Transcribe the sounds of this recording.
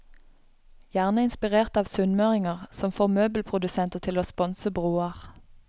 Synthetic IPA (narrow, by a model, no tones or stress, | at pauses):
jæːʁnəɪnspɪʁeːʁt̪ɑːʋsʉnmøːʁɪŋəʁsɔmfoːmøːbl̩pʰʁʊd̪ʉsɛnt̪ət̪ʰɪloːspɔnsəbʁuːəʁ